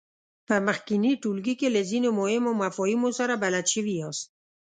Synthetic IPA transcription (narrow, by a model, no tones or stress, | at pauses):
pamaχkiniʈulɡikelezinʊmoemomafɔimosaɾabalat̪t͡ʃivijɔs